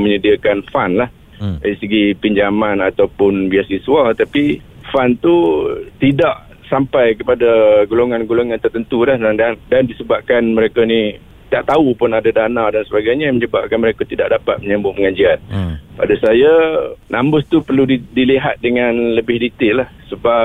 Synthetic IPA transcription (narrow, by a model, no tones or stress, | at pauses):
məɲədiakanfanlah | daɾisəɡipiɲd͡ʒamanat̪awpʊnbiasisualt̪api | fant̪ut̪idaʔ | sampajkəpadaɡuloŋanɡuloŋant̪ərt̪ənt̪ulahdandandandisəbap̚kanməɾekani | t̪aʔt̪aupʊnadadanadansəbaɡajɲaməɲəbap̚kanməɾekat̪idaʔ̚dapa̰t̪̚məɲəmbʊpəŋad͡ʒianpa̰dasajanʔambʊst̪upərludiliɦa̰t̪̚dəŋanləbɪhdit̪ɪʔlahsəba